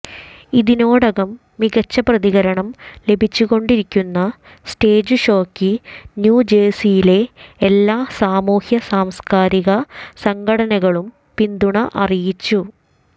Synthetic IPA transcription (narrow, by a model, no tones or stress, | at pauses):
iðinoːɽɐɣɐmːiɣɐt͡ɕːɐprɐðiɣɐɾɐɳɐmle̞bʱit͡ɕːuɣo̞ɳɖiɾikʲːunːɐ | sʈeːd͡ʑɨɕo̞ːkːinjuːd͡ʑeːsijile̞elːaːsaːmuːhjɐsaːmskaːɾiɣɐsɐŋɡʱɐɽɐnɐɣɐɭum | pind̪uɳɐʔɐrijit͡ɕːu